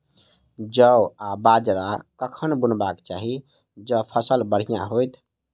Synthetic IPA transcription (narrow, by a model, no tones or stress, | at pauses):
d͡ʒəabad͡ʒɾakəkʰənbunbakt͡ʃaɦi | d͡ʒəpʰəsəlbəɽ̤ijã̰ɦojt̪ʰ